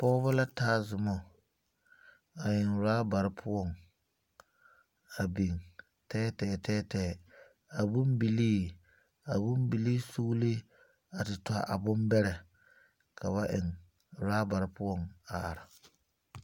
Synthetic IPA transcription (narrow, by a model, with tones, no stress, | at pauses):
pɔ˦βʊ˦la˦taː˦zʊ˨mɔ˨ | a˨jɪ˨nɾaː˦ba˨ɾɪ˦pʰʊ˦ɔ˦˨ŋ | a˨bi˨ŋ | tɛː˦tɛː˦˨tɛː˦tɛː˨ | a˨bʊ˦mbi˨liː˦ | a˨bʊ˦mbi˨liː˦su˦li˦ | a˨tɪ˨tʔa˨bʊ˦mbɛ˦ɾɛ˨ | kʰa˨βa˦ʔɪ˨ŋ | ɾaː˦ba˨ɾɪ˦pʊ˦ɔ˦˨ŋa̰˨ɾa˨